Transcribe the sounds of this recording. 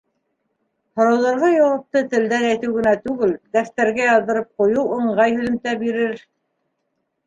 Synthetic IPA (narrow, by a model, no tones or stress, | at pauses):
hŏɾɑwðɑɾʁɑjɑwɑp̚t̪ɤt̪ɘ̆ld̪ænæjt̪ɘwɡɘ̆næt̪ʉɡɘld̪æθt̪æɾɡæjɑlˠd̪ɤ̆ɾɤp̚qŏjɤwŏɴɢɑjhɵ̆ðɘ̆mt̪æbiɾɘɾ